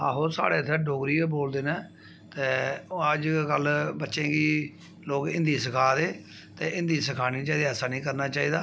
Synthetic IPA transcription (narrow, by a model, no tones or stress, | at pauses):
a̰ːɦoːsa̰ːɽeːt̪ʰːɛːɖoːɡɾiːeːboːld̪eːnɛː | t̪eːəd͡ʒkəlbətːʃẽːɡiː | loːkɪ̃nd̪iːsəkʰaːd̪eː | t̪eːʔɪ̃nd̪iːsəkʰaːnĩːt͡ʃaːiːd̪eːəsaːnĩːkəɾnaːt͡ʃaːiːd̪aː